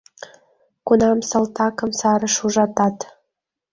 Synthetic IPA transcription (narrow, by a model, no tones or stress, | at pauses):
kunɑmsəlt̪ɑkə̆msɑɾə̆ʃuʒɑt̪ɑt̪